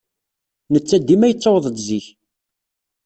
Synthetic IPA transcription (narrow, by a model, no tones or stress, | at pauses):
nət͡sːæd̪ːimæjət͡sːəwðˤəd̪ziç